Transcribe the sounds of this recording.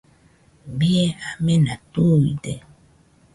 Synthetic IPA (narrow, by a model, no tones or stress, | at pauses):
biɛamɛnatoidɛ